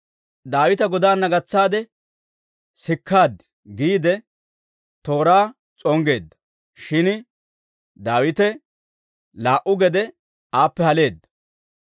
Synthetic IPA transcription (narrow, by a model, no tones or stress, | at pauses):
d̪aːwɪt̪ɐɡɔd̪aːnːɐɡɐt͡sːaːd̪ɛ | sɪkʰːaːd̪ | ɡiːd̪ɛ | t̪o̞ːɾaː | t͡sʼɔŋɡe̞ːd̪ːɐ̥ | ʃɪn | d̪aːwɪt̪ɛ | laːʔʊɡɛd̪ɛ | aːpːɛhɐle̞ːd̪ːɐ̥